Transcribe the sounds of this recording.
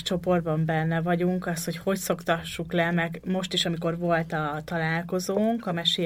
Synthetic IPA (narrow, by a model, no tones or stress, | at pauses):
ʃt͡ʃo̞po̞rd̪̚bɒmbɛnːɛvɒɟuŋkɒst̪ho̞cho̞cso̞kt̪ɒʃːuklɛmɛɡmo̞ʃt̪iʃɒmiko̞rvo̞lt̪ɒt̪ɒlaːlko̞zoːŋkɒmɛʃe